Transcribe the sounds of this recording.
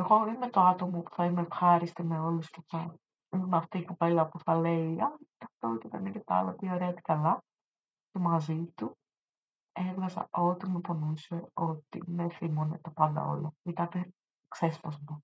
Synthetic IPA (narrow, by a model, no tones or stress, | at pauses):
eɣo̞imet̪oɐt̪o̞mopu̥θɐimefxɐɾist̪ime̞o̞lusceθɐ | imeɐft̪iːkope̞lɐpuθɐle̞iɐt̪ɐft̪oot̪ikɐnicet̪ɐ̰lɐt̪ioɾeɐt̪i̥kɐlɐ | cemɐzit̪u | evɣɐzɐ̰ʔo̞t̪imepo̞nuse̞o̞t̪ḭmeθimonḛt̪ɐpɐnd̪ɐ̰o̞̰loit̪ɐpɾ | ksespɐzmo